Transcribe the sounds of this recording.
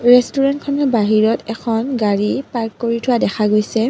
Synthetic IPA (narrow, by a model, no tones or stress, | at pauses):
ɹɛstuɹɛntkʰɔnɛbaɦiɹɔtɛkʰɔnɡaɹipaɹkːoɹitʰʊwadɛxʰaɡojsɛ